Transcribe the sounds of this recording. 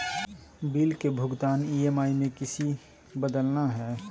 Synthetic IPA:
biːlkebʱʊɡt̪aːnieːmaːimẽkɪsi | bəd̪əlnaɦɛː

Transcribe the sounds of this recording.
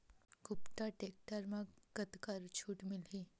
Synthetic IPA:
ɡupʈaʈek̚ʈəɾmãɡət̪kaɾt͡ʃʰuːʈmilɦi

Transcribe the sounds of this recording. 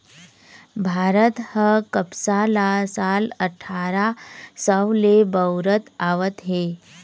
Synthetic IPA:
bʱaɾət̪həkəpsalasaləʈʰaɾasəwlebəwɾət̪aʋət̪ɦe

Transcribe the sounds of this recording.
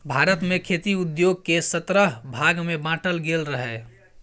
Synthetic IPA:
bʱaɾət̪mekʰet̪iud̪joɡ̚kesət̪ɾəɦbʱaɡmebãʈəlɡelɾəɦɛ

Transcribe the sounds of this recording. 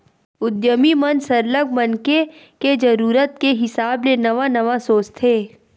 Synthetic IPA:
ʊd̪jəmimənsɐɾləɡmɐnke | ked͡ʒɐɾuːɾət̪̚keɦɪsaːblenɐʋanɐʋasoːt͡ʃt̪ʰɦeː

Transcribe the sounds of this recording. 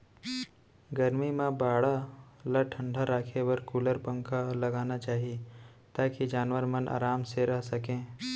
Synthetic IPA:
ɡɐɾmimãbaːɽalaʈʰə̃ɳɖʱaɾaːkʰewəɾkuːləɾpə̃ŋkalɐɡaːnat͡ʃaːɦie | t̪aːkid͡ʒaːnʋəɾmɐna̰ːɾaːmseɾɐɦsɐkẽː

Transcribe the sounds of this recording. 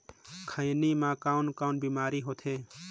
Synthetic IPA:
kʰə̃jnimãːkaːʊnkaːʊnbimaːɾiɦot̪ʰɦeː

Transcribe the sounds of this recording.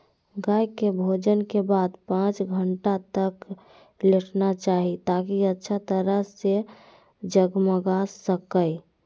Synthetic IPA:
ɡajkebʱod͡ʒənkebad̪pãt͡ʃɡʱəɳʈat̪ək | leʈʰnat͡ʃaɦit̪akiətːʃʰat̪əɾəɦse | d͡ʒəɡməɡasəkəj

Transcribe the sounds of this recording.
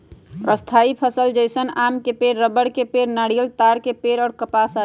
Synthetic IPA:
ɾəst̪ʰaipʰəsəld͡ʒəɪsənamkepeɾːəbəɽkepeɾnaɽijəlt̪aɽkepeɾɔːɾkəpasa

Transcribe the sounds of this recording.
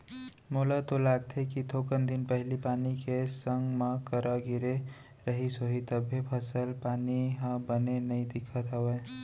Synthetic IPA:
moːlat̪olaːɡ̚t̪ʰekit̪ʰokənd̪ɪnpəɦlipaːnikesə̃ŋɡmãkəɾʔaɡɪɾe | ɾəɦisoɦit̪əbʱːepʰəsəlpaːniɦə̃bənenəĩd̪ɪkʰət̪ɦəweː

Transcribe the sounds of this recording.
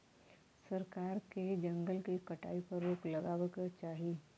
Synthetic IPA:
sɐɾkaːɾked͡ʒɐ̃ŋɡəlkekɐʈa̰ːipəɾʋoːklɐɡaːwəkt͡ʃaːɦieː

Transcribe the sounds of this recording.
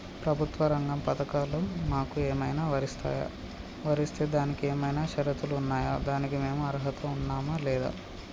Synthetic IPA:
pɾɐbʱut̪ʋɐɾɐŋɡɐmpɐt̪ɐkaːlomaːkueːmɐjnaːʋɐɾist̪a̰ːja̰ː | ʋɐɾist̪e̞ːd̪aːnikieːmɐjnaːʃɐɾɐt̪uluːnːaːjaːd̪aːnikime̞ːmuɐɾɦɐt̪ʰɐunːaːmɐlɛːd̪a̰ː

